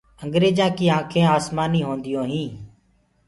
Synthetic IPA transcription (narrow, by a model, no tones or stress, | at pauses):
əŋɡɾeːd͡ʒãːkiːãːkʰẽːaːsmaːniːɦõːnd̪ɪjõːɦĩː